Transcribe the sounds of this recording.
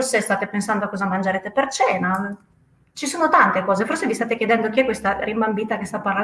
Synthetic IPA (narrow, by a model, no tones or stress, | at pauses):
rsest̪aːt̪epensand̪oakːɔzamand͡ʒeɾeːt̪epert͡ʃɛːna | t͡ʃisoːnot̪ant̪ekɔːzeforsevist̪aːt̪ek̟jed̪ɛnd̪okiɛkːwest̪aɾimbambiːt̪akest̪apːarla